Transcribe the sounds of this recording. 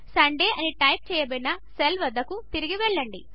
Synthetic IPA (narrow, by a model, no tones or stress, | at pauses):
sɐɳɖeːʔɐniʈɐjp̚t͡ʃɛːjɐbɐnɐ | selʋɐd̪ɐkut̪iɾiɡiʋɛɭːɐɳɖi